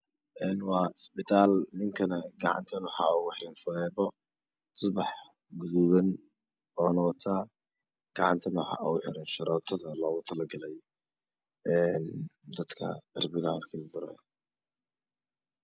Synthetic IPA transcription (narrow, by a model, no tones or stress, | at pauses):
ʔɛːnwɑːɪsbɪt̪ʰaːlnɪŋkʰɐnɐɡɑʕɑ̰nt̪ʰɐnʊħaɔwħɾɪnfʊðɛːβɔ | sʊbɑħ | ɡʊðuwɐn | ɔːnɔwt̪ʰaː | ɡ̥ɑʕɑ̰nt̪ʰɐnʊħɑ̰ʔuwħɪɾɪnʃɐɾɔːt̪ʰɐðɐlɔːɣʊt̪ʰɐlɐɡɐlɛj | ɛnd̪ɐd̪kʰɐ̰ɐrbɪðarkʰild̪ʊɾɐ̰j